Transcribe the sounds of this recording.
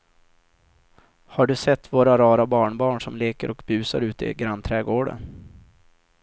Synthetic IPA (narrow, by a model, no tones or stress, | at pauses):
haɖɵsɛt̪ːvoːɾaɾɑːɾabɑːɳbɑːɳʂɔmleːkəɾʔɔkbʉ̟ːsaɾʉ̟ːt̪ɪ̰ɡɾanːt̪ʰɾɛːɡoːɖə̰n